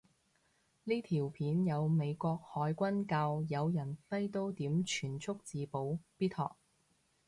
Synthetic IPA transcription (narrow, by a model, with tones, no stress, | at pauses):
liː˥t̪ʰiː˨˩wpʰiː˨˥njɐ˨˧wme˨˧jkʷɔː˧k̚hɔː˨˥jkʷɐ˥nkaː˧wjɐ˨˧wjɐ˨˩nfɐ˥jt̪o˥wt̪iː˨˥mt͡ʃʰyː˨˩nt͡sʰʊ˥k̚t͡siː˨˧po˨˥wpiː˥t̪ʰhɔː˨k̚